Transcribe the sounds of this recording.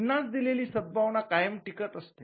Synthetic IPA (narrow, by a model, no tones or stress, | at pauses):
nːat͡sd̪ileliːsəd̪̚bʱaʋɳakajəmʈikət̪əst̪e